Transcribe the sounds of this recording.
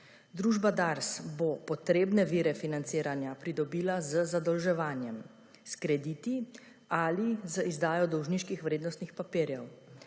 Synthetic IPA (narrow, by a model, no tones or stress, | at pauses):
d̪ɾuːʒbad̪aɾsbopɔt̪ɾeːbnɛʋiːɾɛfinant̪siːɾanjapɾid̪ɔbiːlazəzad̪ɔlʒɛʋaːnjɛm | skɾɛd̪iːt̪i | alizəizd̪aːjɔd̪ɔwʒniʃkixʋɾeːd̪nɔst̪nixpapiːɾjɛw